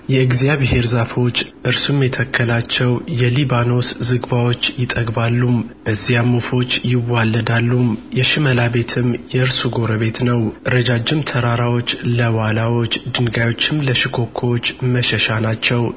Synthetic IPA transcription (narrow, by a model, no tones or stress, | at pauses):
jɛɨɡzijaβeɦe̞ɾzafo̞t͡ʃːʔɨɾsumjɛt̪ʰəkʰːəlat͡ʃːɛwjɛlibano̞szɨɡbawo̞t͡ʃːjɪt̪ʼəɡbalːumbəzːijamːufo̞t͡ʃːjɪwalːəd̪alːumjɛʃɪməlaβe̞t̪ʰɨmjɛɨɾsuɡo̞ɾəβe̞t̪nəwʔɨɾəd͡ʒad͡ʒɪmt̪ʰəɾaɾawo̞t͡ʃːləwalawo̞t͡ʃːd̪ɨnɡajo̞t͡ʃːɪmləʃɪkʰo̞kʰːowot͡ʃːməʃɛʃanat͡ʃːɛw